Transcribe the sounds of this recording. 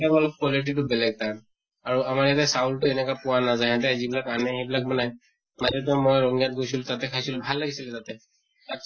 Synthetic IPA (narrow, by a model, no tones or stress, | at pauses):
akɔlɔk̚kɔliʈ̬it̬ʊbɛlɛɡ̚ta | aɹuamaɹjat̬ɛsaultʊɛnɛkapʊwanazajɦat̬ɛazibilakanɛɦejbilak̚bɔnaj | manat̬ɔmɔjɹɔŋijat̚ɡojsultatɛkʰajsilbʱalːaɡisilɛtatɛ | a